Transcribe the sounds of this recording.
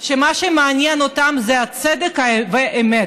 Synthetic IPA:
ʃemaʃemeanjɛnot̪amzɛat͡sɛd̪ekhaveʔemet̪

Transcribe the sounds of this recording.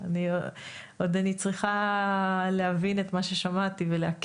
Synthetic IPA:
ani | o̞d̪anit͡sʁiχa | lehavine̞t̪maʃe̞ʃamat̪iveleak

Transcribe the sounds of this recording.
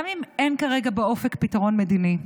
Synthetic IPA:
amimʔenkaʁeɡabeo̞fekpitaʁo̞nmed̪ini

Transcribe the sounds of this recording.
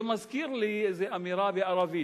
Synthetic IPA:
mazkiːɾlizeʔamiɾˤɑːbiʔɑɾˤɑviː

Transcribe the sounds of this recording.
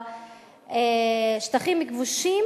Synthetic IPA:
eʃt̪aχimːikvuʃi

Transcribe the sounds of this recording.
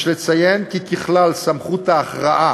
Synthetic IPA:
ʃlet͡sajenkikiχlalsamχut̪aːχʁaʔa

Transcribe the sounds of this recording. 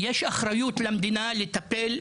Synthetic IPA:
jeʃaχɾajut̪lamd̪inalet̪apel

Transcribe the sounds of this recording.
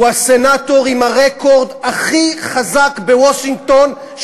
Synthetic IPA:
uasenat̪o̞ʁimaʁekʰo̞ʁd̪aχiχazakbewoʃiŋɡt̪o̞n

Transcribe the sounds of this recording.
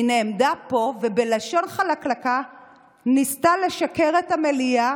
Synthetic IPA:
ineːmdapo̞vebelaʃo̞nχalaklaka | nistale̞ʃakeʁethamelija

